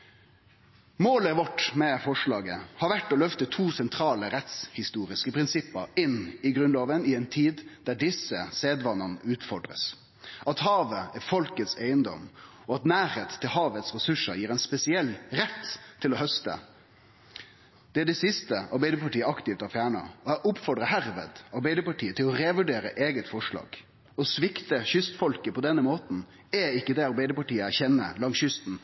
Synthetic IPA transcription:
moːləʋɔʈːmɛfɔʂɭɑːɡə̰hɑɾʋæʈːɔlœft̪ət̪ʰuːsɛnt̪ʰɾɑːləɾɛt̪shɪst̪uːɾɪskəpʰɾɪnsɪpːəɾɪnɪɡɾʉnloːʋənɪɛɪnt̪ʰiːd̪d̪̥æɖɪsəseːd̪ʋɑnːənəʉːt̪fɔɖɾə̰s | ʔɑt̪hɑːʋəæfɔlkət̪seɪənd̪ɔ̰m | ɔɑt̪næːɾeːt̪ʰːɪlhɑːʋət̪sɾɛsʉʂəɾjiːɾɛɪnspɛsɪɛlɾɛt̪ʰːɪlɔhœst̪ə̰ | d̪̥ɛæd̪ɛsɪst̪əɑ̰ɾbæɪd̪əpʰɑʈiːəɑkt̪ɪft̪ɑfjæːɳɑ̰ɔhæʔʊpfɔɖɾəɦæɾʋḛːd̪ɑɾbæɪd̪əpɑʈiːət̪ʰɪlɔɾeːʋʉɖeːɾə̰ʔeːɡət̪fɔʂlɑ̰ːɡ̥ | ɔsʋɪkt̪əçʏst̪fɔlkəpʰɔd̪ɛnːəmoːt̪n̩ | ɛɪkːəd̪ɛɑɾbæɪd̪əpɑʈiːəæçɛnːə̰lɑŋsjʏst̪n̩

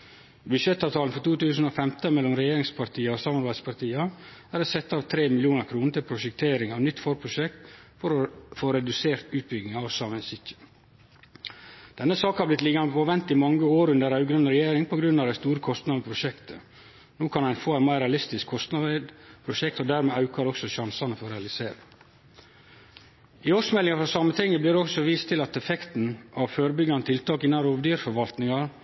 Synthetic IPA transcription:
bʉʂɛt̪ːɑʋt̪ʰɑlnfɔt̪uːt̪ʉːsn̩oːfɛmt̪əmɛlːɔmɾɛjeːɾɪŋspʰɑɾt̪ʰiːəosɑːmɑɾbæɪd̪spʰɑɾt̪ʰiːɑæːɾɔsɛt̪ːɑːʋt̪ʰɾeːmɪlɪuːnəɾkʰɾuːnət̪ɪlpʰɾʊʃɛk̚t̪ʰeːɾɪŋɑʋnʏt̪ːfɔɾpʰɾʊʃɛkt̪fɔɾfoːɾɛd̪ʉseːɾt̪ʉːt̪̚bʏɡnɪŋɑɑʋsɑmənsɪtːə̥ | d̪̥ɛnːəsɑːkhɑɾblɪt̪liːɡɑnəpoːʋɛnt̪ɪmɑŋːəoːɾʉnd̪əɾɑʉɡɾənəɾɛjeːɾɪŋpɔɡɾʉnːɑʋd̪æɪst̪uːɾəkʰɔst̪nɑʋəpʰɾʊʃɛkt̪ʰə | noːkʰɑnæɪnfoːæɪnmæɪɾɛɑlɪst̪ɪskʰːɔst̪nɑʋ̪pʰɾʊʃɛk̚t̪ɔd̪æːɾmɛɑʉkɑɾɔksɔʃɑnsɑnəfɔɾɛɑlɪseːɾɪ̰ | ɪoːʂmɛlɪŋɑfɾɔsɑmənɛŋːəblɪːd̪ɛɔksɔʋiːst̪ʰɪlɑt̪ɛfɛkt̪n̩ʔɑʋføːɾəbʏɡɑnət̪ʰɪlt̪ʰɑːkɪnːɑnɾoːʋd̪yːɾfɔɾʋɑlt̪nɪŋɑ

